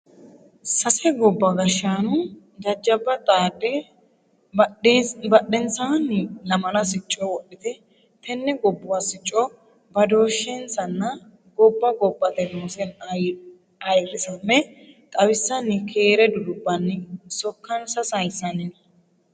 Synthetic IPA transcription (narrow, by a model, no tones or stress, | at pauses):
sɐsɛɡɔbːɐɡɐʃːaːnʊ | d̪ɐd͡ʒːɐbːɐt̪ʼaːɗɛ | bɐɗːɛnsaːnːlɐmɐnɐsɪt͡ʃʼːɔwɔɗɪt̪ɛ | t̪ɛnːɛɡɔbːʊwasɪt͡ʃʼːɔ | bɐd̪o̞ːʃːensɐnːɐ | ɡɔbːɐɡɔbːɐt̪ɛnoːsɛn | ɐjrːɪsɐnːɛt̪ʼɐwɪsːɐnːɪkʰeːɾɛd̪ʊlʊbːɐnːɪsɔkːɐnsɐsɐjsːɐnɪnɐ